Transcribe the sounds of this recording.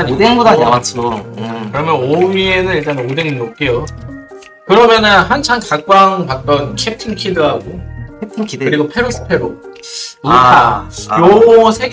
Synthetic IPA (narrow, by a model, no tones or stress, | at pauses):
ɲieŋɡodaat͡ɕʰokɯɾʌmjʌnoɥie̞nɯniɭt͈anodeŋnop̚k͈ejo | kɯɾʌmjʌnɯnɦant͡ɕʰaŋkakk͈waŋpat̚t͈ʌnkʰetʰɯnkʰidɯɦaɡoetʰkʰkɯɾiɡopʰe̞ɾos͈ʰɯ̥pʰe̞ɾo̰ | ik͈ajosʰe̞ɡ